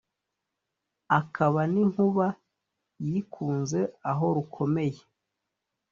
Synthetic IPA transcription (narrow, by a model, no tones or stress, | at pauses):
akʰaβaniŋhuβa | jiːkʰuːnze̞aɦo̞ɾukʰo̞me̞je